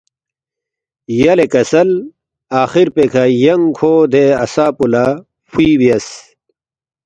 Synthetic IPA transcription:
jɐlekɐsɐl | aːxiɾpekʰajɐŋkʰoːd̪eɐsaːpula | fiːwjɐs

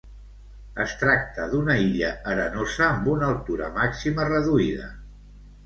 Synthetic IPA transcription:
əst̪ɾak̚t̪əðunəiʎəəɾənozəːmbunəəlˠt̪uɾə̰maksimərəðuiðə̰

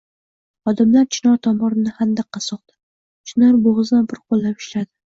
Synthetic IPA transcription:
ɒd̪ɪmlaɾt͡ʃʰɪnɒɾt̪ʰɒmɒɾɪnɪhand̪aqʰːɑsɒqd̪̥ɪ | t͡ʃʰɪnɒɾboʁɨzd̪anbɪɾqʰolˠːapɪ̥ʃlad̪ɪ

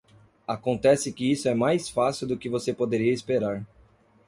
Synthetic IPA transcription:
akõnt̪ɛsɪkɪisʊɛmajsfasiwd̪ʊkɪvosepod̪eɾiɐispeɾaɾ

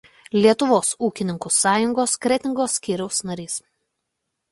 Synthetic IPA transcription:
lʲiɛt̪ʊʋoːsuːkʲɪnʲɪŋkuːsɑːjʊŋɡoːskɾʲɛt̪ʲɪŋɡoːsʲːkʲiːɾʲɛʊsnɐɾʲiːs

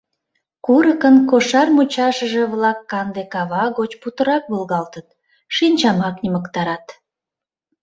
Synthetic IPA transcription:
kuɾəkənkoʃɑrmut͡ɕɑʃəʒĕβlɑkːɑnd̪ekɑβɑɣot͡ɕput̪əɾɑk̚βəlɣɑlt̪ət̪̚ | ʃinʲt͡ɕɑmɑkniməkt̪ɑɾɑt̪

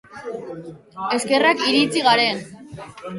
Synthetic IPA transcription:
e̞ske̞rakiɾit͡siɣaɾe̞n

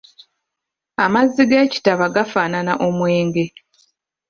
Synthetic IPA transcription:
amazːiɡe̞ːci̥taβaɡafaːnanaʔo̞mwe̞ːŋɡe̞

